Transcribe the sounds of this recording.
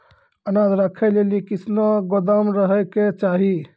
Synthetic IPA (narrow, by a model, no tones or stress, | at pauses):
ənad̪ʱɾakʰɛlelikɪsnoɡod̪amɾəɦɛket͡ʃaːɦi